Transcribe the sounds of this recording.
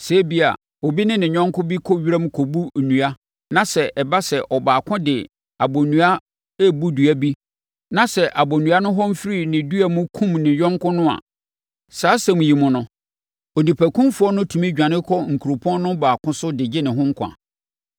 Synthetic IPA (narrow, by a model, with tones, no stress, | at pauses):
se˨˦bi˦a̰˨ | o˨bi˦nɪ̃˦nɪ̃˨ɲᶣɔ̃˦ŋ˦kʰʊ˦bi˦kʰɔ˦ɥi˦ɾa˦mũ˦kʰɔ˨bu˦˨nũ˨a˦ | nã˨sɛ˨ʔɛ˨ba˦sɛ˨ʔɔ˨baː˨kʰʊ̃˦dɪ˨ | a˨bo˨nũ˨a˦ | ɛ˦bu˦du˨æ˦bi˦ | nã˨sɛ˨ʔa˨bo˨nũ˨a˦nʊ̃˦ɦɔ˦m̩˦fɾi˦˨nɪ̃˨du˦æ˨mʊ̃˦kʰũ˦mnɪ̃˨ɲᶣɔ̃˦ŋ˦kʊ̃˦nʊ̃˦a̰˨ | saː˨˦sɛ̃˨mũ˨ji˨mʊ̃˨nʊ̃˨ | o˨nĩ˨pʰæ˨kʰũ˦mfu˨˦ɔ˦nʊ̃˦tʰũ˨mĩ˦d͡ʑᶣã˨nɪ̃˦kʰɔ˦ŋ̩˨kʰu˨ɾʊ˨pʰɔ̃˦n˦nʊ̃˦baː˨kʰʊ̃˦sʊ˦dɪ˨d͡ʑɪ˦nɪ̃˨ɦʊ̃˦ŋ̩˦kʰã̰˨